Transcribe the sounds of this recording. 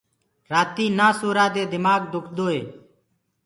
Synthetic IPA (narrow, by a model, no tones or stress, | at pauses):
ɾaːt̪iːnaːsuːɾaːd̪eːd̪ɪmaːɡd̪ʊkʰd̪oːḛː